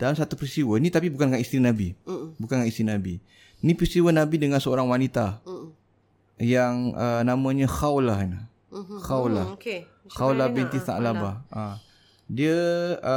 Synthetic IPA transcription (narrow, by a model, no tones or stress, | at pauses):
d̥alamsat̪upɾist̪iwənit̪apibukankaist̪ɾinabibukankaist̪ɾinabi | nipɾist̪iwənabidəŋansəoɾaŋwanit̪a | jaŋənaməɲəxawlaɦinə | xawlahk | xawlabint̪iθa̰alabaa | diəə